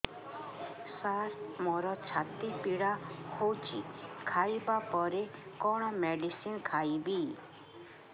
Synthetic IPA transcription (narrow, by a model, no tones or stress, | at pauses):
saɾmɔɾɔt͡ʃʰat̪ipiɽahowt͡ʃʰikʰajbapɔɾekɔɽ̃ɔmeɖisinkʰajbi